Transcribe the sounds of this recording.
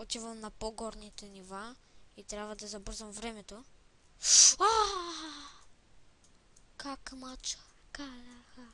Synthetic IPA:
ɔt͡ʃ̪ivəmnɐpoɡɔɾnit̪ɛniva | it̪ɾʲjabvəd̪ɐzɐbɤɾzəmvɾɛmɛt̪o | a | kakmat͡ʃə̥ | kalaxa

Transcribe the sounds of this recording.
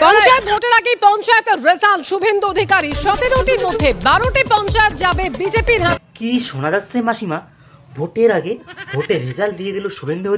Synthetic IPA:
pɔnt͡ɕaet̪̚bʱoʈeɾaɡepɔnt͡ɕaet̪ɾesalʃubʱend̪uod̪ʱikaɾiʃɔt̪eɾoʈiɾmod̪ʱːebaɾoʈipɔnt͡ɕaet̪̚d͡ʑabebid͡ʑepiɾɦakiʃonad̪asʰemaʃima | bʱoʈeɾaɡebʱoʈeɾed͡ʑald̪ijeɡ̪iloʃubʱend̪uo

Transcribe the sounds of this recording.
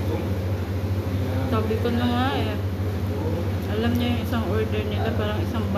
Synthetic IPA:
t̪ablikɔnːaŋaja | alamɲajaŋisaŋɔdərnakanbaɾaŋisaŋb

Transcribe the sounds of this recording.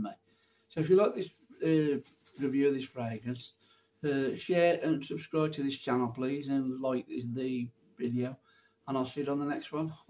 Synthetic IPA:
i | soʊɪfjəlaɪk̚ðɪs | əɹɪvjʉːəvðɪsfɹeɪɡ̚mə̃ns | əʃɛːɹʔə̃nsəb̥skɹaɪb̚tʰəðɪst͡ʃʰanl̩ˠpʰl̥iːzə̃nlaɪk̚ðɪsði | vɪdioʊ | ə̃naɪlˠsiɪɾn̩ðənɛkst̚wʌ̃n

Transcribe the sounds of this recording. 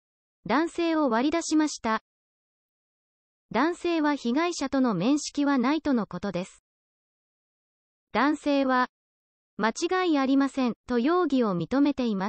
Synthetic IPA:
d̪ãɰ̃se̞ːo̞βaɾʲid̪aɕimaɕi̥t̪a | d̪ãɰ̃se̞ːβaçiɡaiɕat̪o̞no̞mẽ̞ɰ̃ɕi̥kʲiβanait̪o̞no̞ko̞t̪o̞d̪e̞sɨ̥ | d̪̥ãɰ̃se̞ːβa | mat͡ɕiɡaiaɾʲimasẽ̞nt̪o̞jo̞ːɡʲio̞mʲit̪o̞me̞t̪e̞ima

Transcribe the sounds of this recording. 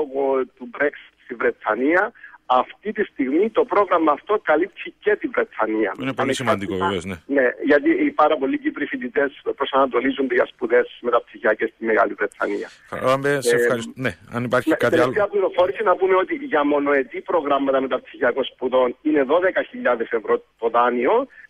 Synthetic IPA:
ɣot̪ubɾeksst̪ivɾet̪ʰːɐniɐɐft̪it̪ist̪iɣmit̪o̞pɾo̞ɣɾɐmɐːft̪o̞kɐlip̚t̪ʰice̞t̪ivɾet̪ʰːɐniɐ̰ineplisimɐnd̪ikkoveveozneneʝɐt̪̬ipɐɾɐpo̞lːicipɾifint̪it̪e̞spɾo̞sɐnɐt̪o̞lizund̪oʝɐspuðe̞smet̪ɐpsiçiɐcest̪imːeɣa̰livɾet̪ʰːɐ̰niɐ̰ | mbeɐisneɐnipɐɾçtɐt̪eet̪eɐpliɾofo̞ɾisinɐpumeo̞t̪iʝɐmo̞no̞e̞t̪ipɾo̞ɣɾamːɐt̪ɐmet̪ɐpsiçiɐko̞nspuðo̞nine̞ðo̞ðekɐçiʎːaðesevɾot̪o̞ðɐnio̞

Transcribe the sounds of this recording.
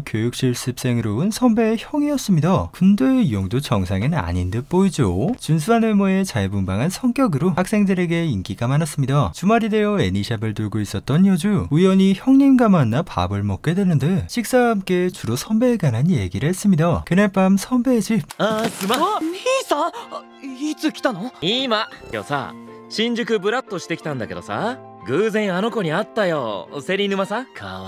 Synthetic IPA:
kjojuk̚ɕ͈iɭs͈ɯp̚s͈e̞ŋɯɾoɯnsʰʌmbeçjʌŋiʌs͈ɯmɲidakundejoŋdot͡ɕʌŋsʰaŋɯna̰ɲindɯp͈oid͡ʑo̰t͡ɕuns̬ʰuɦanɯmoe̞t͡ɕaebumbaŋɦansʰʌŋk͈jʌɡɯɾohak̚s͈e̞ŋdɯɾe̞ɡe̞inkiɡamanas͈ɯmɲidat͡ɕumaɾide̞joe̞niɕʰabɯɭtuɭɡois͈ʌt̚t͈ʌnjʌd͡ʑuujʌɲiçjʌŋɲɯnɡamanːapa̰bɯɭmʌk͈e̞dwenɯndɯɕʰiks͈aamk͈e̞t͡ɕuɾosʰʌmbe̞ɡananje̞ɡiɾɯɦes͈ɯmidakɯnepamsʰʌmbe̞d͡ʑip̚asɨmaisa | it͡sɨkʲi̥t̪anoimakʲo̞̰ːsa̰ | ɕĩɲ̟d͡ʑɯk̬ɯ̟bɯ̟ɾat̪ːo̞ɕi̥t̪e̞kʲi̥t̪ãnd̪ake̞d̪o̞̰sa̰ | ɡɯːzẽ̞ɰ̃ano̞ko̞ɲ̟iat̪ːajo̰se̞ɾʲinɯmasãkʰa

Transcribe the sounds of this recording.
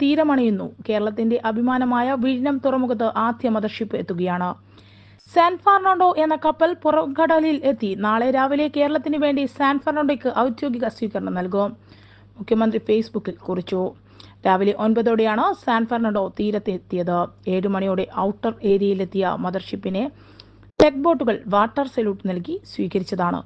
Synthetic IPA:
t̪iːɾɐmɐɳijunːṵke̞ːɾɐɭɐt̪ːinde̞ʔɐbʱimaːnɐmaːjɐʋiɾinɐmt̪urɐmukɐt̪̬ːɨʔaːd̪ʱjɐmɐðɐrʂipːɨe̞t̪ːuɣɐjaːɳɨ | saːnfaːrnaɳɖo̞ʔe̞nːɐkɐpːɐlpurɐkɐɽɐlile̞t̪ːinaːɭe̞ɾaːʋile̞ke̞ːɾɐɭɐt̪ːinɨʋe̞ːɳɖisaːnfaːrnɐɳɖokːɨʔɐwd̪jo̞ːɡiɣɐswiːɣɐɾɐɳɐmnɐlk̬um | mukʰjɐmɐnd̪rifejsbukːilkurit͡ɕːu | ɾaːʋile̞ʔo̞nbɐðo̞ːɽejaːɳɨsaːnfaːrnaːɳɖo̞ːt̪iːɾɐt̪ːet̪ːijɐðɨe̞ːɾumɐɳijoːɽe̞ʔɐwʈːɐre̞ːɾjɐjile̞t̪ːijɐ̰mɐðɐrʂipːine̞ | ʈek̚bo̞ːʈːuɣɐɭʋaːʈːɐrseluʈnɐlk̬isʋiːɣɐɾit͡ɕːɐðaːɳɨ̰

